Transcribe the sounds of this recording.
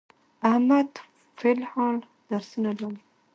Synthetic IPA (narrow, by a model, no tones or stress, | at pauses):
ahmad̪ | fɪlhɑl | d̪̥aɾsunalaɾi